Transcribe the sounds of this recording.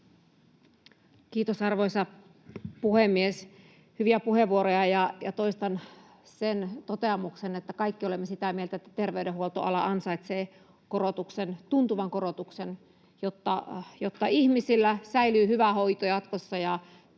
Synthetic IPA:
kiːt̪osɑrʋoisɑ | puhemːies | hyʋiæpuheʋʋuoɾojɑjɑjɑt̪oist̪ɑn | sent̪ot̪eɑmˑuksenet̪ːækɑikːiolemːesit̪æmielt̪æet̪ːæt̪erʋeydeuolt̪oʔɑlɑɑnsɑit̪seː | korot̪uksent̪unt̪uʋɑŋkorot̪uksen | jot̪ːɑjot̪ːɑihmisilːæsæilyːhyʋæhoit̪ojɑt̪kosːɑjɑ

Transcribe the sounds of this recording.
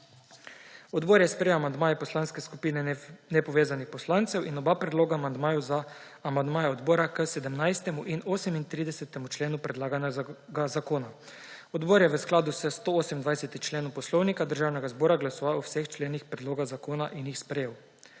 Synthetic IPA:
ɔd̪boːɾjɛspɾejewamand̪maːjɛpɔslaːnskɛskupiːnɛnɛpɔʋeːzanixpɔslaːnt̪sɛwinɔbapɾɛd̪loːɡaːmand̪maːjuzaː | mand̪maːjaɔd̪boːɾakəsɛd̪əmnajst̪ɛmuʔinoːsɛmint̪ɾiːd̪ɛsɛt̪ɛmut͡ʃleːnupɾɛd̪laːɡanjaɡazakoːna | ɔd̪boːɾjɛʋəsklaːd̪usɛst̪ooːsɛmind̪ʋajsɛt̪it͡ʃleːnɔpɔslɔwnikad̪əɾʒaːwnɛɡazbɔːɾaɡlasɔʋauwsext͡ʃleːnixpɾɛd̪loːɡaɣzakoːnaʔinjixspɾɛjeːw

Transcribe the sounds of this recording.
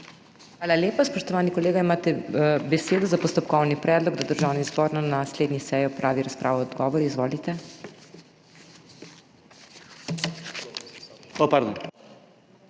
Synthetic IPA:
xʋaːlalʲjeːpaspɔʃt̪ɔʋaːnikɔleːɡaimaːt̪ɛbɛseːd̪ɔzapɔst̪ɔpkɔwnipɾɛːd̪lɔɡd̪ad̪əɾʒaːwnizbɔːɾnanasleːd̪nʲisɛːjɔpɾʔaːʋiɾaspɾʔaːʋɔɔd̪ɡɔːʋɔɾiizʋoːlit̪ɛ | opaɾd̪on

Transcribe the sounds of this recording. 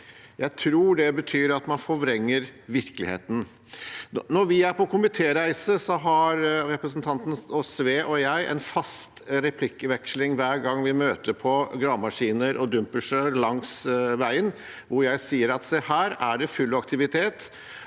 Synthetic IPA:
jæɪt̪ʰɾuːɖɛbət̪ʰyːɾɑt̪mɑnfɔʋɾɛŋːəɾʋɪɾkəlɪ̰hḛːt̪ən̩ | nɔɾʋɪæɾpɔkʰʊmɪt̪ʰeːɾæɪsəsɔɦɑɾɾɛpɾəsnt̪ʰɑnt̪nɔsʋeːʔɔjæɪʔɛ̰nfɑst̪ɾɛpʰlɪkːəʋɛkslɪŋʋæːɾɡɑŋːʋɪmøːt̪əɾpʰɔɡɾɑːmɑʂiːnəɾʔɔd̪ʉmpəʂælɑŋsʋæɪən | ʋʊɾjæɪsiːəɾɑt̪sɛhæːɾæɖɛfʉlːɑk̚t̪ɪʋɪt̪ʰeːt̪

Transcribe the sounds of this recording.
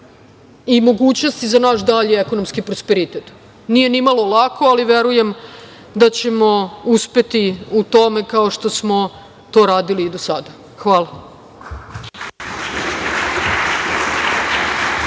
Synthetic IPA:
imo̞ɡuːt͡ɕno̞st̪izanaːʃd̪aʎiekonomskipɾospeɾit̪et̪ | nije̞nimalo̞lakʰo̞aliʋeɾuje̞m | d̪at͡ɕe̞mo̞uspe̞t̪iut̪o̞me̞kaoʃt̪o̞smo̞ | t̪o̞ːɾaːd̪iliːd̪osad̪a | xʋaːla

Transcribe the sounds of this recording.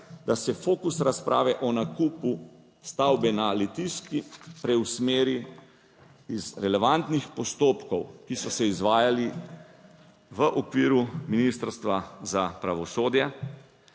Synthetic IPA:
d̪asɛfoːkusɾaspɾʔa̰ːʋɛʔɔnakuːpu | st̪awbɛnalɛt̪iskipɾɛwsmeːɾi | izɾɛlɛʋant̪nixpɔst̪oːpkɔwkisɔsɛizʋaːjali | ʋəʔɔkʋiːɾuminist̪əɾst̪ʋazapɾaʋɔsoːd̪ja

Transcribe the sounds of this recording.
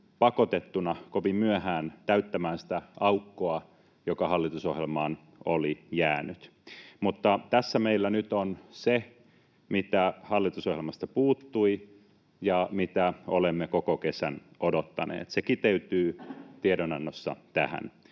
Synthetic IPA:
pɑkot̪et̪ːunɑkopimyæhæːnt̪æyt̪ːæmæːnsi̥t̪æɑukːoɑ | jokɑhɑlːit̪uso̰hjelmɑːn | olijæːnyt̪mut̪ːɑt̪æsːæmeilːænyt̪onse | mit̪æhɑlːit̪usohjelmɑst̪ɑpuːt̪ːui | jɑmit̪æolemːekokokesænodot̪ːɑnḛːt̪sekit̪eyt̪yːt̪iedonɑnːosːɑ̰t̪æhæ̰n

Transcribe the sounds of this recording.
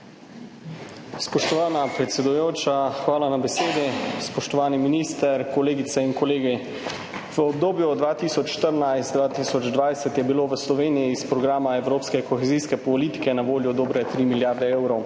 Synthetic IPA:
spɔʃt̪ɔʋaːnapɾɛt̪sɛd̪ujoːt͡ʃaxʋaːlanabɛseːd̪ispɔʃt̪ɔʋaːniminist̪ɛɾkɔleːɡit̪sɛinkɔleːɡi | ʋəɔb̚d̪oːbjud̪ʋaːt̪isɔt͡ʃʃt̪əɾnajst̪d̪ʋaːt̪isɔd͡ʒd̪ʋajsɛt̪jɛbiloːʋəslɔʋeːnijiːspɾɔɡɾaːmaɛwɾoːpskɛkɔxeziskɛpɔliːt̪i̥kɛnaʋoːljɔd̪oːbɾɛt̪ɾiːmiljaːɾd̪ɛeːwɾɔw

